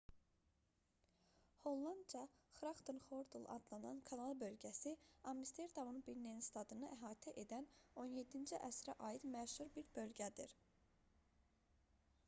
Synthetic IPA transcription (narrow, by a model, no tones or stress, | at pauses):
ho̞lˠːɑnd̪d͡ʒɑxɾɑkt̪ʰonχoɾd̪ulˠɑ̰d̪lˠɑnɑ̰nkʰɑnɑlˠbø̞lɟæsiɑmːist̪ʰeɾd̪ɑmunbilnːeninst̪ɑd̪ɯnɯʔæɦɑːt̪ʰɛʔe̞d̪æno̞nje̞d̪ːind͡ʒiʔæsɾæʔɑjid̪mæʃhuɾbiɾbø̞lɟæd̪ḭɾ